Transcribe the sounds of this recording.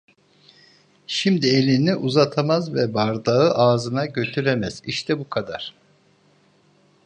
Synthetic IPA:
ʃimd̪ie̞lʲiniʔuzat̪ʰamazvɛbaɾd̪aɯʔaːzɯnaɟø̞t̪ʰyɾemɛz̥iʃt̪ʰɛbukʰad̪a̰ɾ̥

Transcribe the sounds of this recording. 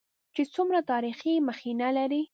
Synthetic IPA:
t͡ʃet͡sumɾat̪ɑɾiximəxinalaɾi

